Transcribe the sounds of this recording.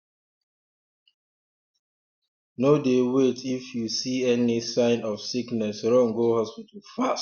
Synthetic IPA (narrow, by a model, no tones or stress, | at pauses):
nodewetʰifjusiɛnisãɪ̃nɔfsiknɛsɾɔ̃ŋɡohɔspitəl̩fast